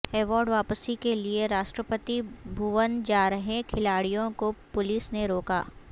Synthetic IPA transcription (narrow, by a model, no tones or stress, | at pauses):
ɛːʋɔːɾɖʋaːpəsikelieɾaːʃʈɾəpət̪ibʱuʋənd͡ʒaːɾəɦẽkʰɪlaːɽijõkopʊlɪsneɾoːkaː